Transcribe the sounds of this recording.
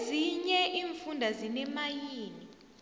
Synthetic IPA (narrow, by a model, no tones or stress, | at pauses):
ziɲɛʔiːɱfundʱazinɛmajiːni